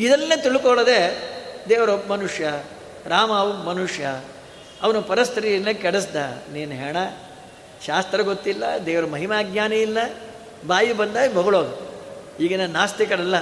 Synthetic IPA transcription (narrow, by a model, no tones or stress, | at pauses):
id̪ɐnːeːt̪iɭukoɭɐd̪ed̪eːʋɐɾobmɐnuʂjɐ | ɾaːmaːʋumɐnuʂjɐ | ɐʋɐnupɐɾɐst̪ʰɾinːekɛɽesd̪a̰niːnuɦeːɳɐ | ʃaːst̪ɾɐɡot̪ːilːɐ̰d̪eːʋɐɾɐmɐɦimaːɡɲaːnɐilːɐ | baːjibɐnd̪aːjibʱɐɡuɭoːɡɐ | iːɡɐnɐnnːaːst̪ikɐɾɐlːɐ